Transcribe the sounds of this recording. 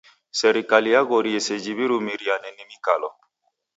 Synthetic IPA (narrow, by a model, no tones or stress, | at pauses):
sɛɾikaliaɡɔɾiesed͡ʒiβiɾumiɾianɛnimĩkalɔ